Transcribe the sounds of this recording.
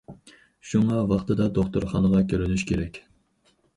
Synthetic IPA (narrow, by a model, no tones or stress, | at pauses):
ʃuŋɑwɑχt̪ʰɨd̪ɑd̪oχt̪uɾχɑnəʁɑkʲʰøɾynyʃkʲeɾɛkʲ